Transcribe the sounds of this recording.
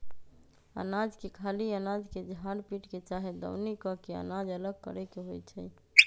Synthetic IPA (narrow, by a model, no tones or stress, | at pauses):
ə̰nad͡ʒkekʰaliənad͡ʒked͡ʒʱãɽpiʈket͡ʃaɦed̪ə̰wnikɔkeə̰nad͡ʒələɡ̚kə̰ɾɛkeɦojt͡ʃʰɛ